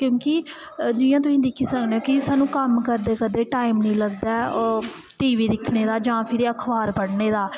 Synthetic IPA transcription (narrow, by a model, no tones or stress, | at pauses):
kjõːki | d͡ʒɪːjãːt̪̬ʊsĩːd̪ɪkʰːiːsəkneːoːkɪsaːnũːkəmkəɾd̪eːkəd̪eːʈaːimnĩːləɡd̪aː | ʈiːʋiːd̪ɪkʰneːd̪aːd͡ʒãːpʰɪɾiəkʰbaːɾbəɽneːd̪aː